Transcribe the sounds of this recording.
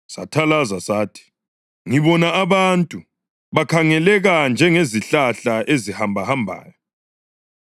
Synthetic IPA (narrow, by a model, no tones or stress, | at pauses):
satʰalazasaːtʰi̥ | ŋiβɔnaaβantʼu | βakʰaŋɛlɛɣand͡ʒʱɛŋeziɬaɬaʔezihambʱahambʱa̰ːjɔ